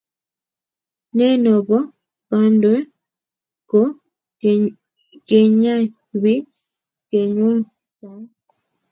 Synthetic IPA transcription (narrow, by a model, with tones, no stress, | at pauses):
nɛ˦nɔ˨bɔ˦ | ka˦ndɛ˦ | ko˦ | ke˨ɲa˦ | wi˦ | ke˨ɲo˦l | sa˦j